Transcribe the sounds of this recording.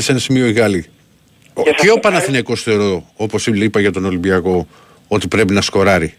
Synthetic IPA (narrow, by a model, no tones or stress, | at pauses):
senɐsimioiɣɐli | eopɐnɐθinɐko̞st̪oɾoo̞po̞siipɐʝɐt̪o̞no̞limbiɐko̞ | o̞t̪ipɾe̞pinɐsko̞ɾɐɾi